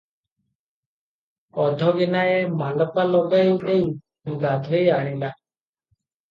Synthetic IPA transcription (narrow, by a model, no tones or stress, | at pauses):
ɔd̪ʱɔɡenaemalɔpalɔɡajuteu | uɡat̪ɔjaɽ̃ila